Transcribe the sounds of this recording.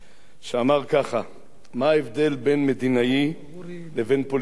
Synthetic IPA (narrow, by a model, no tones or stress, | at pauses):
ʃeamaʁkaχa | maaevd̪e̞lbe̞nme̞d̪inai | leve̞npol